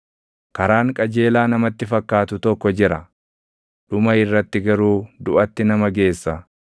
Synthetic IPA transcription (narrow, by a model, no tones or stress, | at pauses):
kɐɾaːŋkʼɐd͡ʒe̞ːlaːnɐmɐt̪ːɪfɐkːaːt̪ʊt̪ɔkːɔd͡ʒɪɾɐ | ᶑʊmɐɪrːɐt̪ːɪɡɐɾuːd̪ʊʔɐt̪ːɪnɐmɐɡe̞ːsːɐ